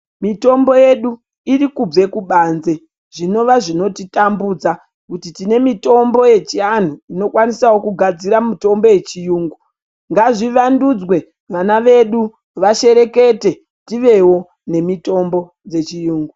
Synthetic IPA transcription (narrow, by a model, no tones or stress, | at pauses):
mito̞mbo̞je̞ɗu | irikub͡ve̞kuɓanze̞ | ʐ̥ino̞ʋaʐino̞titambud͡za | kutitine̞mito̞mbo̞je̞t͡ʃian̤uino̞kwanisawo̞kuɡʱad͡ziɾamito̞mbo̞je̞t͡ʃijuːŋɡu | ŋɡaʐiʋandud͡zwe̞ | ʋanaʋe̞ɗu | ʋaʃe̞ɾe̞ke̞te | tiʋe̞wo̞ | ne̞mito̞mbo̞ | d͡ze̞t͡ʃijuːŋɡu